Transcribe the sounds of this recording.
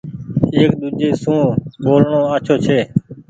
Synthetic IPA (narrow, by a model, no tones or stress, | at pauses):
eːkd̪uːd͡ʒeːsũːɓoːlɳoːaːt͡ʃʰoːt͡ʃʰeː